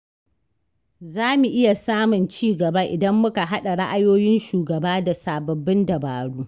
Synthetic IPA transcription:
zaː˦mu˨ʔɪ˦ja˨saː˦mʊ˨nt͡ʃiː˦ɡɐ˨ba˦ʔɪ˨dɐ˦mːʊ˦ka˨ɦa˦ɗa˨ɽa˦ʔa˦joː˦jɪ˦nʃuː˨ɡɐ˨baː˦da˨saː˨bɐ˨bːɪ˦ndɐ˨baː˨ɽuː˦

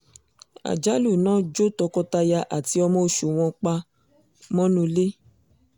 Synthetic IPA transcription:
a̰˨d͡ʒa˦lu˦˨nãː˦d͡ʒo˦tɔ˧kɔ˧ta˧ja˧ʔa˨ti˧˦ɔ˧mɔ̃˦o˧˨ʃu˨w̃ɔ̃˧k͡pa˧ | mɔ̃˦nũ˧le˦

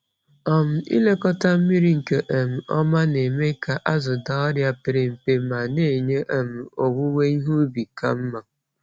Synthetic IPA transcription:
ɔ˨m̩˨ḭ˦le˦kɔ˦ta˦m̩˦mi˦ɾi˦ŋ̩˨ke˨ʔe˨m̩˨ɔ̰˦ma˦ne˨me˦ka˨ʔa˦zʊ˨da˨ɔ˦ɾja˦pɪ˨ɾe˨m̩˨pe˦ma˨ne˦˨ɲe˦ʔa˨m̩˨o˨ɡu˦ŋʷe˦i˦ɦu˦bi˨ka̰˦m̩˦ma˨

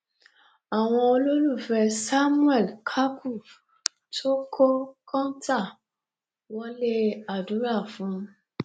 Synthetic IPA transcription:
a˨w̃ɔ̃˧o˧lo˦lu˦˨fɛ˧sa˦mũ˦ɛ˦˨lkʰa˦kʰu˦˨ | tʰo˦kʰo˦kʰɔ̃˦nta˦˨ | wɔ̃˦le˦a˨dũ˨˦ɾa˦˨fũ˨˦

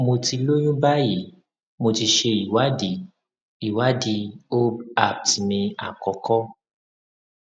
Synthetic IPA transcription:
mo˧ti˧lo˦j̃ũ˦ba˦ji˨˦ | mo˧ti˧ʃe˧i˨wa˨˦di˨˦ | i˨wa˦di˧o˦a˦˨ti˨mĩ˧a˨kɔ˨˧kɔ˦

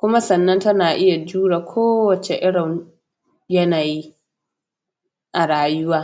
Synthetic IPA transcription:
kʷʊ˦ma˦sɐ˨nːɐ˦ntɐ˦naː˨ʔɪ˦ja˨d͡ʒuː˦ɽaː˨kʷʰoː˦wɐ˨t͡ʃe˨ʔɪ˦ɽɪ˨m | jɐ˦naː˨ji˦ | ʔa˨ɽaː˨jʊ˦waː˦

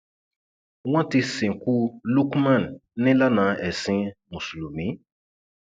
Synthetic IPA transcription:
wã˦te˦sẽ˨ku˦lu˦kmã˦˨nnẽ˦la˦nã˨ɛ˨sĩ˦mũ˨su˨lu˨mĩ˨˦

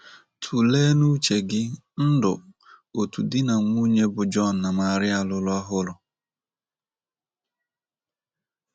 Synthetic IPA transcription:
tʰu˨leː˦nu˦t͡ʃe˨ɡɪ˦ | n̩˦dʊ˨ | o˨tu˨dɪ˦na˨ŋʷ˦u˦ɲe˦bʊ˨d͡ʒɔ˦˨n̩ː˨a˨ma˦˨ɾɪ˦a˨lʊ˦lʊ˦a˦ɦʊ˦lʊ˨

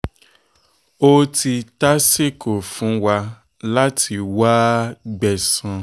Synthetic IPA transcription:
o˦ti˧ta˦se˦˨ko˨fũ˨˦wa˧ | la˦tʰi˧waː˦ɡ͡bɛ˨sã˧

